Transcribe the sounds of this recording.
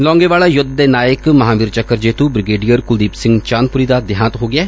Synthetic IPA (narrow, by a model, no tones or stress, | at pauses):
lɔ̃ːŋɡeʋaːɭaːjʊd̪ːenaːjəkmɐɦãːʋiːɾt͡ʃəkːəɾd͡ʒeːt̪ubɾɪɡeːɖijəɾkʊld̪iːpsɪ̃ŋɡt͡ʃaːnpʊɾid̪ad̪ɪjãːnət̪ɦoːɡɪaː